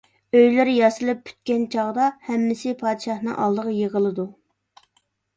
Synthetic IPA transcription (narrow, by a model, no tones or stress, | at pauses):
øjlɪɾɪjɑsɨlˠɨp̚ːy̥t̪̚kʲɛnt͡ʃʰɑʁd̪ɑhɛmːɪsɪpʰɑːd̪ʃɑhnɨ̰ŋʔɑ̰lˠd̪əʁɑjeʁəlˠɨd̪u